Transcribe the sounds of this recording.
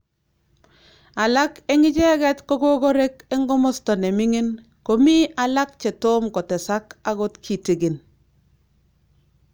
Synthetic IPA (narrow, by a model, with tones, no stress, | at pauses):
a˨la˦ke˦ŋɪ˦t͡ʃɛ˦ɡɛ˦tko˦ɡo˦ɡo˦ɾe˦ke˦ŋɡɔ˦mɔ˦stɔ˨ne˨mɪ˦ŋɪ˦n | ko˨mi˦a˨la˦k̚t͡ʃe˨to˦mkɔ˨tɛ˨sa˦ka˦ɡo˦tkʰi˨ti˨ɡi˨n